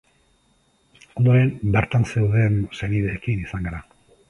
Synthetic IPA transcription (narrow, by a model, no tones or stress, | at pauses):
ond̪o̞ɾe̞nbeɾt̪anse̞wðe̞nseniðeːkinisaŋɡaɾa